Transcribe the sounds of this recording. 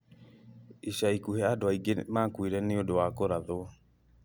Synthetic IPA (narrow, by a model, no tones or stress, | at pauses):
iɕaikuhɛadoaiɡemaːkwiɾɛneodowakoɾaðo